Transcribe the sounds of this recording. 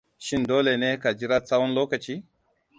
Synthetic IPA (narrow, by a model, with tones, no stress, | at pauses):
ʃi˦ndo˦le˨ne˦ka˨d͡ʒi˦ɾa˦t͡sa˦wɔ˦nlo˦ka˨t͡ʃi˦